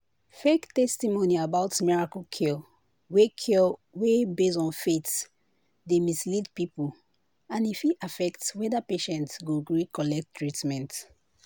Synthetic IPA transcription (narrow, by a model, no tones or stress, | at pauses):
fektɛstimoniabaʊtmiɹakɔkʰi | wekʰɛwebesɔ̃nfet | demislidpipul | ãnifiʔafɛktswɛdapeʃɛ̃ntsɡoɡɹikʰɔlɛk̚tːɹitmɛ̃nt